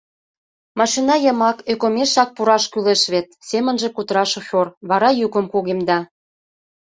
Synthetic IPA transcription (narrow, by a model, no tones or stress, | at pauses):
mɑʃinɑjə̆mɑkøkomeʃɑk̚puɾɑʃkyleʃβet̪̚semə̆nʒĕkut̪əɾɑʃoxʲorβɑɾɑjukə̆mkuɣemd̪ɑ